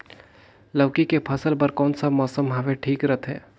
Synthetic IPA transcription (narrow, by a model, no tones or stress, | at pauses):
ləʋkikepʰɐsəlpɐɾkɔːnsamɔːsəmɦɐʋeʈʰiːkɾət̪ʰɦɛ̰ː